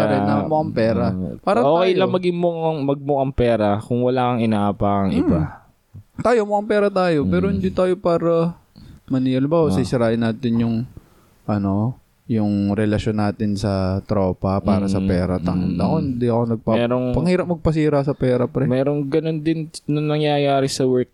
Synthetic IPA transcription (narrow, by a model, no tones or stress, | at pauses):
aɾɛnɐmoʔɐŋpɛːɾɐpaːɾɐtoːkːɐjlɐmɐɡɪŋmoŋmɐɡ̚mokɐŋpɛːɾɐkʊŋwɐlaːkɐŋɪnaʔaːpakɐŋʔɪa | t̪aːjomoʔɐŋpɛːɾɐt̪aːjo̞mɛːɾoɪnd̪ɪnt̪aːjo̞paːɾɐ | mɐniːɐlɪbawsisɪɾaːʔɪnːaːt̪ɪnjʊŋ | ʔɐno̞ | jʊŋɾɛlɐʃonːaːt̪ɪnsɐt̪ɾo̞ːpɐpaːɾɐsɐpɛːɾɐt̪ɐŋʊnd̪ɐkond̪iʔɐko̞nɐɡ̚pamɛɾoŋpɐŋhiːɾɐp̚mɐɡ̚pɐs̬iːɾɐsɐpɛːɾɐpɾɛmɛːɾoŋɡɐnond̪ɪnnʊŋnɐŋjajaːɾɪsɐwɛɹk̚